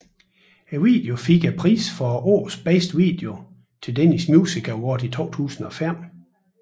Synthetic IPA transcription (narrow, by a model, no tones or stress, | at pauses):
æʋḭːd̥eo̝fiɡ̥æpʰʁḭːsfɒ̽o̝ɐsb̥esd̥ʋḭːd̥e̝o̝ | t͡sʰe̝ldenismjuːsiɡ̥ʰɐwɒ̰d̥it͡sʰo̝̰ːt͡sʰṵːsn̩ɒ̽fem̰